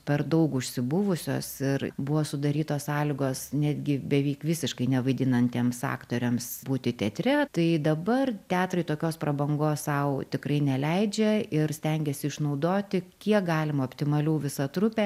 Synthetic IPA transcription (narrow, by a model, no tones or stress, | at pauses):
pʲɛrd̪ɐʊkʊʃʲsʲɪbʊʋʊsʲo̰ːsɪrbʊʋoːsʊd̪ɐɾʲiːt̪oːssɑːlʲɪɡoːsnʲæːd̪ʲɡʲɪbʲɛʋʲiːkʋʲɪsʲɪʃkɐɪnʲɛʋɐɪd̪ʲɪnɐnʲt̪ʲeːmsɑ̰ːkt̪oːɾʲɛmsbuːt̪ʲɪt̪ʲɛt̪ʲɾʲɛt̪ɐɪd̪ɐbɐrt̪ʲæːt̪rɐɪt̪oːkʲoːsprɐbɐŋɡoːssɐʊt̪ʲɪkrɐɪnʲɛlʲɛɪd͡ʒʲɛɪrsʲt̪ʲɛŋʲɡʲɛsʲɪɪʃnɐʊd̪oːt̪ʲɪkʲiɛkɡɑːlʲɪmɐoːpʲt̪ʲɪmɐlʲuːʋʲɪsɐt̪ɾʊpʲɛ